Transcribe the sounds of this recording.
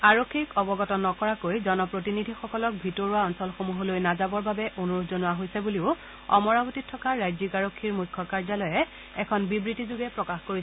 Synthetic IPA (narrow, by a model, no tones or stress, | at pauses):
aɹokʰːikɔbɔɡɔtɔnːɔkɔɹakojzɔnɔpɹotinidʱixɔkɔlɔk̚bʱitoɹuaɔnsɔlxomuɦɔlojnazabɔɹbabɛʔonuɹudʰzonʊaɦojsɛbuliʊ | ɔ̰mɔɹabotitʰːɔkaɹajzikaɹokʰːiɹmujkʰːɔkaɹzalɔjɛ | ɛkʰɔnbibɹitizuɡɛpɹɔkaxkoɹisɛ